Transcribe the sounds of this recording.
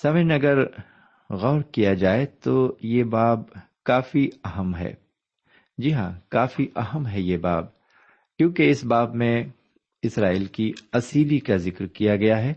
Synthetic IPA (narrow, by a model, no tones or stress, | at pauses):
saːʋɪnɐɡəɾ | ɣɔːɾkijad͡ʒaːet̪ojebaːb̚ | kaːfiɐɦəmɦɛ̰ː | d͡ʒiɦã̰kaːfiʔɐɦəmɦɛjebaːb̚ | kjõːkeɪsbaːbmẽ | ɪsɾaːiːlkiɐsiːlikazɪkɾkijaɡɐjaɦɛː